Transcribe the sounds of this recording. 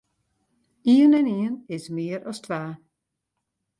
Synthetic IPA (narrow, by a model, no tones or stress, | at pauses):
iənɛniənɪsmɪəɾɔstʰʋaː